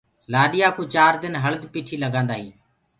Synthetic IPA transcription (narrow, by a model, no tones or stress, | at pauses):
laːɗɪjaːkuːt͡ʃaːɾd̪ɪnɦələd̪piːʈʰiːləɡãːnd̪aːɦiː